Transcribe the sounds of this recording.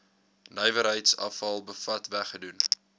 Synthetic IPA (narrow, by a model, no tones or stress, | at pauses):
nœjvəɾɦəjtsɐ̰fɐlˠbəfɐtvæχədun